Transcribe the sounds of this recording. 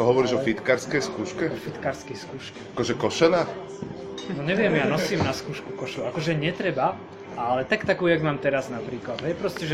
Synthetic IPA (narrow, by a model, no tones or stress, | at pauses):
tɔɦɔʋɔɾiːʒɔfit̪kaːɾskɛjskuːʃkɛɔfit̪kaːɾskɛjskuːʃkɛ̥akɔʒɛkɔʃɛnaː | nɔɲɛʋɪɛmjaːnɔsiːmnaskuːʃkukɔʃuakɔʒɛɲɛt̪ɾɛba | ʔalɛt̪akt̪akuːjaɡmaːmt̪ɛɾaznapɾiːklad̪ɦɛjpɾɔscɛʒɛ